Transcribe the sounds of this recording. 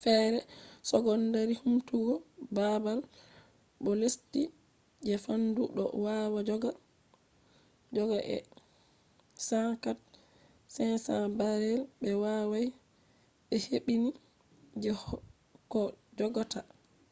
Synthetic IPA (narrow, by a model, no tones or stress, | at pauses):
fɛɾɛsɔɡɔndaɾihumtuɡɔbabal | ɓɔlesti | d͡ʒɛfanduɗɔ̰wawad͡ʒɔɡa | d͡ʒɔɡaʔɛ̰ | saŋkat̚ | sɛnsabaɾɛlbɛwawaj | ɓɛheɓini | d͡ʒɛ | kɔd͡ʒɔɡɔta